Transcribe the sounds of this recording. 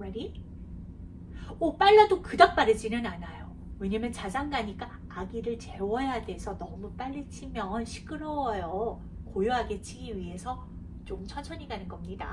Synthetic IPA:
eɾi | op͈aɭːadokɯdak̚p͈aɾɯd͡ʑinɯnanajo | we̞ɲamjʌnt͡ɕad͡ʑaŋɡaɲik͈aː | ɡiɾɯɭt͡ɕe̞wʌjade̞sʰʌnʌmup͈aʎːit͡ɕʰimjʌnɕʰi̥k͈ʰɯɾowʌjʌ | kojoɦaɡe̞t͡ɕʰiɡiɥiɦe̞sʰʌ | t͡ɕ͈omt͡ɕʰʌt͡ɕʰʌɲiɡanɯnɡʌmɲida̰

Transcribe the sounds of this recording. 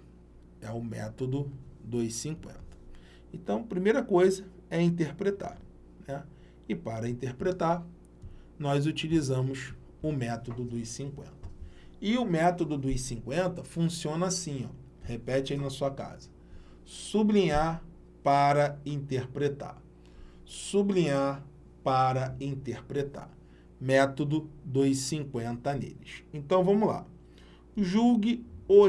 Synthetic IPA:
ɛʊmɛ̰t̪od̪ʊd̪isĩŋkwḛ̃nt̪ɐ̥ | ẽnt̪ɐ̃w̃pɾimejɾɐkojzɐ | ɛĩt̪eɾpɾet̪a̰ɾ | nɛ | ɪpaɾɐĩnt̪eɾpɾet̪aɾ | nɔjzut͡ʃilizɐ̃mʊs | ʊmɛt̪od̪ʊd̪ʊisĩŋkwḛ̃nt̪ɐ̥ɪʊmɛt̪od̪ʊd̪ʊisĩŋkwẽnt̪ɐfũsiõnɐasĩɔ | hepɛt͡ʃainɐsuɐka̰zɐ̥ | sublĩɲaɾ | paɾɐĩt̪eɾpɾet̪a̰ɾ | sublĩɲaɾ | paɾɐĩt̪eɾpɾet̪a̰ɾ | mɛt̪od̪ʊd̪ojsĩŋkwẽnt̪ɐnḛlɪʃẽnt̪ɐ̃w̃vɐ̃mʊla̰ | ʒuɡɪo

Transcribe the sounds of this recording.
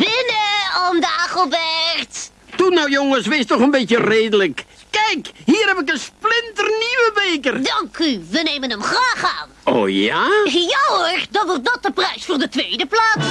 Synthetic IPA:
b̥ɪnəɔmdaːχəlˠbɛrt | tunowjoŋəsʋestɔχənbetjəreːdələkː | ɛjkhiːrhɛpɪk̬ənsplɪntərniʋəbeːkərdɑŋkyʋənejmənəmχraːχa̰ːno̰ːjajowərdɑʋɔrt̚dɔt̚əprɛjsfʊːrdətʋeːdəplaːs

